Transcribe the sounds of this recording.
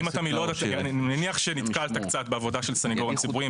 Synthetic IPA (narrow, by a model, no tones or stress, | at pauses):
imat̪amilo̞d̪at̪ninaniaχʃe̞nit̪kalt̪akt͡sat̪beavo̞daʃelsaniɡoʁemt͡sibuʁi